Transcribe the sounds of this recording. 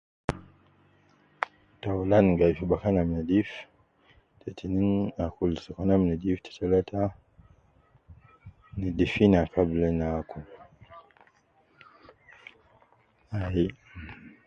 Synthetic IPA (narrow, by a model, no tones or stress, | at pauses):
taulanɡaifibakanamnadif | tʰɛtʰininakulsikanamnɛdiftʰḁtʰalata | nidifinakablɛnaku | ai